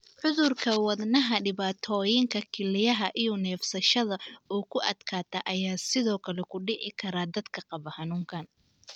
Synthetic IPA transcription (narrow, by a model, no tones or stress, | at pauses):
ʕʊðʊrkʰɐwɐd̪nɐɦɐɖɪβaːt̪ʰɔːjɪŋkʰɐkʰɪlɪjɐɦɐʔijɔnɛːfsɐʃɐðɐɔːkʰʊʔɐ̰d̪kʰaːt̪ʰɐʔɐjaːsɪðɔːkʰɐlɛkʰʊɖɪʕɪkʰɐɾaːd̪ɐd̪kʰɐqɑβɐhɐnuːŋkʰɐn